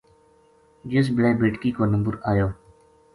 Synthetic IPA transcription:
d͡ʒɪs̬bɪleːbeːʈkiːkoːnəmbʊɾaːjoː

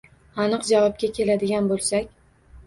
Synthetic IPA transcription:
ɑnɨqd͡ʒavɒp̚kʲakʲʰe̞lad̪ɪɡʲanbolˠsakʲ

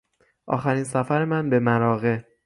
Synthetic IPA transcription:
ʔɒ̰ːxæɾiːnsæfæɾe̞mænbe̞mæɾɒːɣe̞

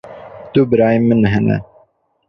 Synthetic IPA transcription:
d̪ubɨɾɑːjemɨnɦɛnɛ̰

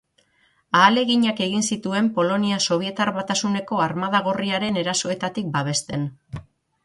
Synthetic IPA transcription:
aːle̞ɣiɲake̞ɣ̞insit̪ue̞mpo̞lo̞niaso̞β̞ie̞t̪aɾβat̪asune̞ko̞aɾmaðaɣ̞o̞riaɾe̞ne̞ɾaso̞e̞t̪at̪ik̚baβ̞e̞st̪e̞n

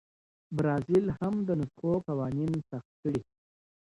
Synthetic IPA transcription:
bɾɑːzilhamd̪ənʊtxokawɑːninsaxt̪̚kəɽi

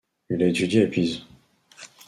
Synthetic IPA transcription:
ilaet̪yd̪jeepiz

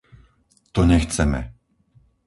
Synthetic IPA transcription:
t̪ɔɲɛxt͡sɛmɛ̰

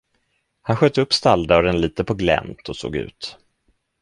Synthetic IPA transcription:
hanɧœːt̪ːəɵpːst̪ald̪aɔd̪ɛnliːt̪əpʰɔɡlɛ̰mt̪ʰɔso̰ːɡʉ̟̰ːt̪

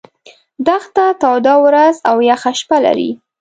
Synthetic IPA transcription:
d̪axt̪at̪ɑwd̪ɑwɾazawjɑxaʃpala̰ɾḭ

